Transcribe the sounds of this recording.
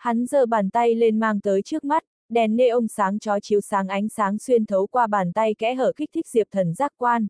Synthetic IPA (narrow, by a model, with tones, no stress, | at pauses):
ha˨˦nzəː˧˩ɓaː˨˩nt̪a˧jle˧nmaː˧ŋt̪əː˨˦jt͡ɕɨ˦˥ək̚ma˦˥t̚ | ɗɛ˨˩nːe˧ʔə˧wŋ͡msaː˨˦ŋt͡ɕɔ˨˦t͡ɕi˨˦wsaː˨˦ŋʔa˨˦jŋ̟saː˨˦ŋ̟swi˧ənt̪ʰə˨˦wkwaː˧ɓaː˨˩nt̪a˧jkɛ̰˧˥ɦəː˧˩xi˦˥k̚t̪ʰï˦˥k̚zi˨˩əp̚t̪ʰə˨˩nzaː˦˥k̚kwaː˧n